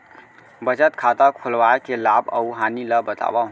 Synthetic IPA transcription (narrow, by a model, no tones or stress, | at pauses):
bət͡ʃət̪kʰat̪akʰolʋaekelabə̰wɦaniləbət̪a̰baɦ